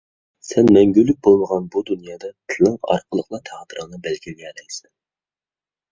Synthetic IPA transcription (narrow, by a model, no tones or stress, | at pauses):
sɛnmɛŋɡʲylːyk̚ʲbolˠməʁɑnbud̪unjɑːd̪ɑt̪ʰɨlˠɨŋɑ̰ɾqəlˠəqlˠɑt̪ʰɑʁt̪ʰəɾəŋnɨbɛlkʲʰiɡʲɛlɛjsɛn